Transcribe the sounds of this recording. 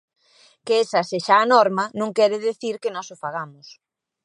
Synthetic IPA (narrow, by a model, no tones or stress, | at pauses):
keesɐseʃaːnɔɾmɐnõŋkɛɾɪðeθiɾkɪnɔsʊfaɣamʊs